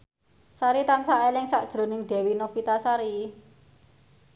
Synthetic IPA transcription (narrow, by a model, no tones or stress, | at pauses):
saɾit̪ansaʔelɪŋsaʔd̥ʒ̥ɾo̤nɪŋd̪̥ɛ̤winofit̪asaɾi